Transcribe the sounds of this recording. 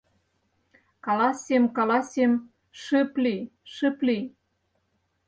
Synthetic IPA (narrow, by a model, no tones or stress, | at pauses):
kɑlɑsʲemkɑlɑsʲem | ʃəpliʃəpli